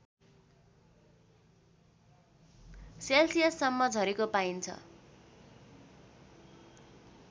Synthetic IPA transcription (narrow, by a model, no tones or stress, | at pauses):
selsijesʌmːʌd͡zʱʌɾikopaint͡sʰʌ̰